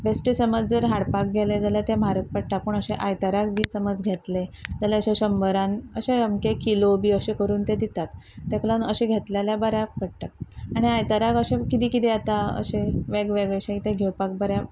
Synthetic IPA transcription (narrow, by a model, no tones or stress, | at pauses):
besʈisəməd͡zd͡zəɾɦaɽpak̚ɡʱeled͡zalat̪ẽmaɾək̚pəɽʈ̪apuːɳəɕeʔajt̪aɾakbʱiːsəməd͡zɡʱet̪led͡zəlaəɕẽɕəmbəɾãnəɕẽəmkekilobʱiːəɕekəɾuːnt̪ed̪it̪at̪ːɛklanəɕẽɡʱet̪laljabəɾjapəɽʈ̪at̪̚aɽ̃iajt̪əɾakəɕẽkit̪iːkit̪iat̪aə̰ɕeʋeɡʋeɡɭeɕãit̪eɡʱewpak̚bəɾja